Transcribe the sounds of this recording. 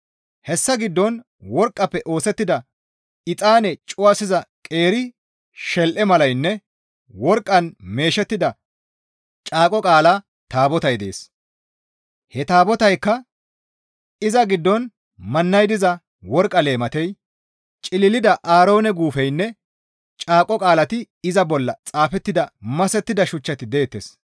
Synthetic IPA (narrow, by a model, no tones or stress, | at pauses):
hɛsːɐɡɪd̪ːɔn | wɔɾkʼːɐpːɛʔo̞ːsɛt̪ːɪd̪ɐ | ɪt̪ʼaːnɛt͡ʃʼʊwɐsɪzɐkʼe̞ːɾɪ | ʃɛlʔɛmɐlɐjnːɛ | wɔɾkʼːɐnme̞ːʃɛt̪ːɪd̪ɐ | t͡ʃʼaːkʼɔkʼaːla | t̪aːbɔt̪ɐjd̪e̞̰ːs | hɛt̪aːbɔt̪ɐjkːɐ | ɪzɐɡɪd̪ːɔn | mɐnːɐjd̪ɪzɐ | wɔɾkʼːɐle̞ːmɐt̪ɛj | t͡ʃʼɪlɪlɪd̪ɐʔaːɾo̞ːnɛɡuːfɛjnːɛ | t͡ʃʼaːkʼɔkʼaːlɐt̪ɪ | ɪzɐbɔlːɐt͡sʼaːfɛt̪ːɪd̪ɐmɐsɛt̪ːɪd̪ɐʃʊt͡ʃːɐt̪ɪd̪eːt̪ːes